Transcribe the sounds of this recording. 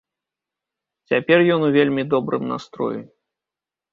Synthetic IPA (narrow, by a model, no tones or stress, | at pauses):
t͡sʲapʲɛrjɔnuvʲelʲmʲid̪ɔbɾɨ̰mna̰st̪ɾɔ̰ji